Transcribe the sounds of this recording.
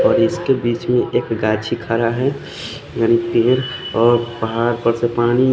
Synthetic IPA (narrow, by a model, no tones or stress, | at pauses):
ɔːɾɪskebiːt͡ʃmẽʔeːkɡaːt͡ʃʰikʰaːɾaɦɛ | jaːnipeːɾɔːɾpəɦaɾpəɾsepaːni